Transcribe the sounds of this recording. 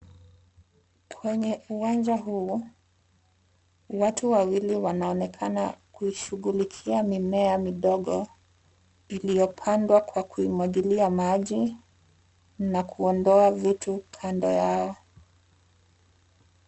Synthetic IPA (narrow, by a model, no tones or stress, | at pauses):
kʰwɛɲɛʔuwand͡ʒaɦuː | watuwawiliwanaɔnɛkʰanakuiʃuɣulikʰiamimɛamiɗɔɠɔ | ilijɔpʰandwakwakuimwaʄiliamaʄi | nakuɔndɔavitukʰandɔjaɔ